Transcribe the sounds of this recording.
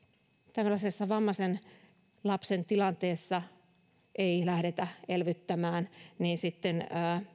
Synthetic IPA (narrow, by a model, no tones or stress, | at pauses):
t̪æmlːæsesːɑʋɑmːɑsen | lɑpsent̪ilɑnt̪eːsːɑ | ʔeilæhɾet̪æelʋyt̪ːæmæːnniːnsit̪ːenəː